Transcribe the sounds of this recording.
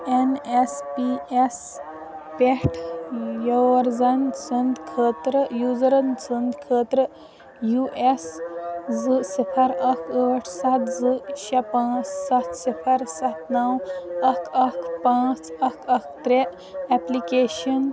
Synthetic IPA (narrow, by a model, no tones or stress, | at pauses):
enespies | peʈʰjɐɐɾzansɐnd̪kʰəːt̪ɾəjuːzɾɐnsənd̪kʰəːt̪ɾə | juʔeszɨsipʰɐɾɐkʰəːʈʰsɐt̪zɨɕɐpãːt͡ssɐt̪sipʰɐɾsɐt̪nɐwɐkʰɐkʰpãːt͡sɐkʰɐkʰt̪ɾe | ɛplikeːɕɐn